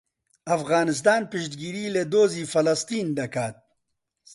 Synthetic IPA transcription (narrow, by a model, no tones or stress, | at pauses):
ɐfɣaːnɪs̬t̪aːnpiʃt̪̚ɡiːɾiled̪oːziːfɐlɐst̪iːnd̪ɐkaːt̪̚